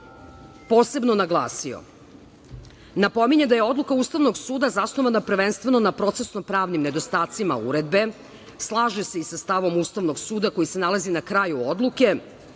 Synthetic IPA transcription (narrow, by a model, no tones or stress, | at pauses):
po̞ːse̞bno̞naɡlˠa̰ːsio̰ | napo̞miɲed̪ajeo̞d̪lukauːst̪aʋno̞ɡsuːd̪azasno̞ʋanapr̩ʋenst̪ʋe̞no̞napɾo̞t̪se̞sno̞pɾaːʋnimne̞d̪o̞st̪aːt̪sima̰ṵɾe̞d̪be̞ | slˠaːʒese̞isast̪aʋo̞must̪aʋno̞ɡsuːd̪ako̞jise̞nalˠazinakɾajuod̪lˠuke̞